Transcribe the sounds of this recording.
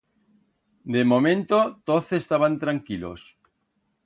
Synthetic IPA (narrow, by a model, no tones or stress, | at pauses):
d̪emomẽnt̪ot̪oθest̪aβant̪ɾaŋkilo̰s